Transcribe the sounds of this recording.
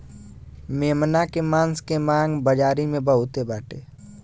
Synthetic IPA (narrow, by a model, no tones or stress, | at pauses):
meːmnakemãːnskemãːŋɡbəd͡ʒaːɾimẽbəɦʊt̪ebaːʈeː